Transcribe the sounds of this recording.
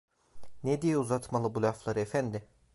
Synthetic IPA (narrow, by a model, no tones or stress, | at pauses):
ned̪ijɛuzat̪malˠɯbulʲaflˠaɾɯefænd̪ɪ